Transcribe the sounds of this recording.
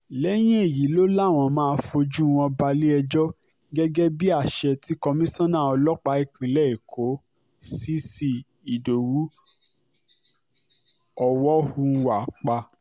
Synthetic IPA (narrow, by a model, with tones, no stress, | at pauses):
lɛ˦j̃ĩ˦e˦˨ji˨˦lo˦la˦˨w̃ɔ̃˧mãː˦˧fo˧d͡ʒu˦˧w̃ɔ̃˧ba˧li˦ɛ˧d͡ʒɔ˦ | ɡɛ˦ɡɛ˦bi˦a˦˨ʃɛ˧ti˦kɔ˧mĩ˦sɔ̃˦nã˦˨ɔ˧lɔ˦k͡pa˧i˦˨k͡pĩ˨˦lɛ˦i˨kʰo˨˦ | si˦si˧ | i˨do˨wu˨˦ | ɔ˧wɔ˦hu˧wa˨k͡pa˧